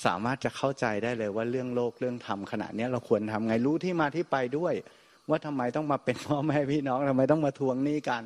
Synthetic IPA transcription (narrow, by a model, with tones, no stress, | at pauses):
sa̰ː˩˦maː˥˩t̪̚t͡ɕa˨˩kʰa˥˩wt͡ɕa˧jdaː˥˩jlɤː˧jwaː˥˩ɾɯ˥˩əŋloː˥˩k̚ɾɯ˥˩əŋt̪ʰa˧mkʰa˧na̰˨˩t̪̚ni˦˥ɐɾa˧wkʰu˧ənt̪ʰa˧mŋa˧jɾuː˦˥t̪ʰiː˥˩maː˧t̪ʰiː˥˩pa˧jdu˥˩əj | waː˥˩t̪ʰa˧mːa˧jt̪ɔ˥˩ŋmaː˧pe˧npʰɔː˥˩mɛː˥˩pʰiː˥˩nɔː˦˥ŋt̪ʰa˧mːa˧jt̪̬ɔ˥˩maː˧t̪ʰu˧˥əŋniː˥˩ka˧n